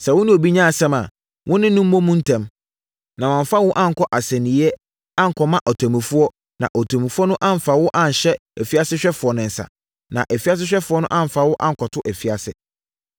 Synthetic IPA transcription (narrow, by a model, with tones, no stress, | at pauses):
sɛ˨wʊ̃˦nɪ̃˦o˨bi˦ɲã˦a˨sɛ̃˦mã̰˨ | wʔʊ̃˦nɪ̃˦nʊ̃˦m̩˦õ˦mũ˦n̩˦tʰɛ̃˦m | nã˨mã˨ɱ˨fa˦wʊ̃˦ʔã˦ŋ̩˨kʰɔ˦ʔa˨sæ̃˨nĩ˨˦ɛ˦ | ã˦ŋ̩˨kʰɔ˨mã˦ʔɔ˨tʰɔ˨mĩ˨fu˦ɔ˦ | nã̰˨ʔɔ˨tʰɔ̃˨mĩ˨fu˦ɔ˦nʊ̃˦ʔã˦ɱ̩˨fa˨wʊ˦ʔã˦ɲ˨ɕɛ˦æ˨fi˦a˦sɪ˦ɕᶣɛ˦fʊ˨ɔ˨nɪ̃˨n̩˨sa̰˨ | nã̰˨ʔæ˨fi˦a˦s̬ɪ˦ɕᶣɛ˦fʊ˨˦ɔ˦nʊ̃˦ʔã˦ɱ̩˨fa˨wʊ˦ʔã˦ŋ̩˨kʰɔ˨tʰʊ˦ʔæ˨fi˨˦a˨sɪ̰˦